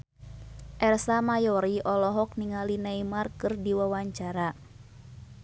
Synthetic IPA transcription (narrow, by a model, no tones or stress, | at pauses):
ʔɛrsamajɔɾiʔɔlɔɦɔk̚niŋalinaimarkɨrdiwawaɲt͡ʃaɾa